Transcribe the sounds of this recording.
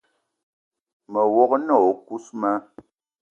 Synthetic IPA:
mə˨wɔ˦knɔ˦˨ku˦smə˦

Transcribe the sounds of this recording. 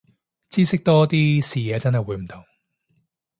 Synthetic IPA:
t͡siː˥sɪ˥k̚t̪ɔː˥t̪iː˥siː˨˧jɛː˨˧t͡sɐ˥nɦɐ˨jwuː˨˧˥m̩˨˩t̪ʰʊ˨˩ŋ

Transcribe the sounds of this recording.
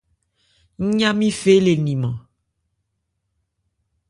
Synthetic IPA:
ɲ̩˦ɲã˦mĩ˦fe˦le˨nĩ˨mã˨

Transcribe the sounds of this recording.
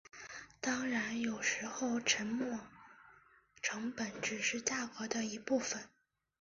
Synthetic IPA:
t̪ɑ˥ŋɻa˧˥njo˨˩ʊʂɻ̩˧˥xo˥˧ʊʈ͡ʂʰə˧˥nmɔ˥˩ | ʈ͡ʂʰɤ˧˥ŋpə˧˥nʈ͡ʂɻ̩˨˩ʂɻ̩˥˧t͡ɕja˥˩kɤ˧˥d̪ə˧i˧˥pu˥˩fə˨˩n

